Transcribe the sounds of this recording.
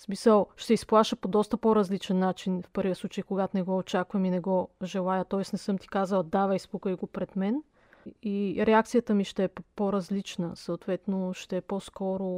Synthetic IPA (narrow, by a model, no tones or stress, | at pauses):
smisəlˠʃt̪ɛisplˠaʃəpod̪ɔst̪əpɔɾɐzlit͡ʃɛnːat͡ʃinfpɤɾvʲiəsˠut͡ʃəjkoɡat̪onɛɡɔot͡ʃakvɐminɛɡɔʒɛlˠajət̪ɔɛsnɛsɤmt̪i̥kazəlˠd̪avɛjspukəiɡopɾɛd̪mɛn | iɾɛakt̪sijət̪əmiʃt̪ɛɛpoɾɐzlit͡ʃnəsɐot̪vɛt̪noʃt̪ɛɛposkɔɾo